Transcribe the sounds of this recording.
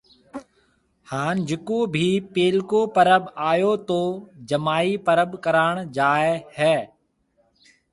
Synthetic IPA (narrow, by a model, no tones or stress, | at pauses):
haːnd͡ʒɪkoːbʱiːpeːlkoːpəɾəbaːjoːt̪oːd͡ʒəmaːiːpəɾəbkəɾaːɳd͡ʒaːehɛː